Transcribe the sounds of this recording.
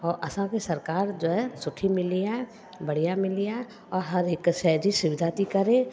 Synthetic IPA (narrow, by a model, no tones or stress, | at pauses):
ɔːɾɐsãkesɐɾkaːɾd͡ʒoːɦɛsʊʈʰimɪlija | bɐɽ̤ijamɪlija | ɔːɾɦɐɾɪkːʃɛd͡ʒisʊʋɪd̪ʱat̪ikɐɾẽ